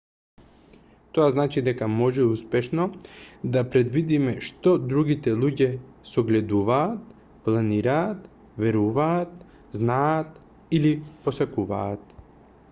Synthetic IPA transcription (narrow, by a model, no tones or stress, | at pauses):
t̪oaznat͡ʃid̪ɛkamɔʒɛuspɛʃnɔd̪apɾɛd̪vid̪imɛʃt̪ɔd̪ɾuɡit̪ɛlˠuɟɛ | sɔɡlɛd̪uvaːt̪̚ | plˠaniɾaːt̪ | vɛɾuvaːt̪ | znaːt̪ | iliposakuva̰ːt̪̚